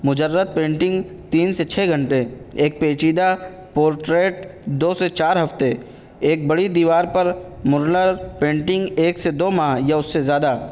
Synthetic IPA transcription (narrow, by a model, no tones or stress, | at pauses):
mʊd͡ʒəɾːəd̪̚pẽːɳʈɪ̃ŋɡ | t̪iːnset͡ʃʰɛːɡʱə̃ɳʈeeːk̚peːt͡ʃiːd̪a | poːɾʈɾeːʈ̚d̪oːset͡ʃaːɾɦɐft̪e | eːk̚bɐɽid̪iːʋaːɾpɐɾmʊɾləɾpẽːɳʈɪ̃ŋɡeːksed̪oːmaːɦjaʊsːezjaːd̪a